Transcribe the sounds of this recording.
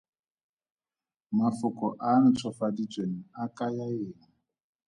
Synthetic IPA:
mafʊkʼɔʔan̩t͡sʰɔfadit͡sʼweŋ̩akʼajaeːŋ̩

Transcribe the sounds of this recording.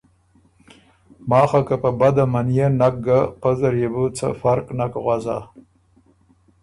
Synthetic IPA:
mɑːxakapəbad̪amanijenak̚ɡapazaɾjebut͡sa̰faɾknakɣʷwaza̰

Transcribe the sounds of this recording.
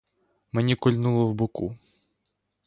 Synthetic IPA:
menʲikɔlʲnulˠɔwbʊkṵ

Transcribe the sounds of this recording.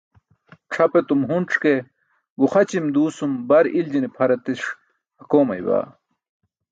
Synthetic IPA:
ʈ͡ʂʰɐpet̪umɦunʈ͡ʂʰke | ɡuχɐt͡ɕimd̪uːsumbɐɾild͡ʑinipʰɐɾɐt̪iʂ | hɐkoːmɐ̰jba̰ː

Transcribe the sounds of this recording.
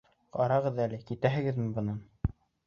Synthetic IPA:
qɑɾɑʁɤðælɘkit̪æɦɘ̆ɡɘðmɘbɤ̆nɑn

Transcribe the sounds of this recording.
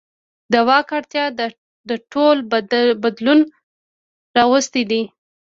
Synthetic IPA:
d̪əwɑkaɽt̪jɑd̪ | d̪əʈʰolbad̪lun | ɾɑwəst̪id̪i

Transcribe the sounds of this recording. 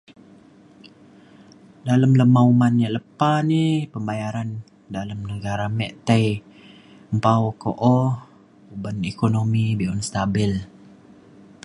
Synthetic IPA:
daləmləmaumanjaʔləpanipəmbajaɾan | daləmnəɡaɾamɛʔt̪aj | əmpaoko̰ʔɔh | ubanekonomibiʔɔnst̪abɪl

